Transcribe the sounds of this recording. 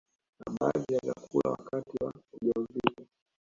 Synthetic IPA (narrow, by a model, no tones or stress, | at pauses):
naɓaðijazakula̰wakatiwauʄauvika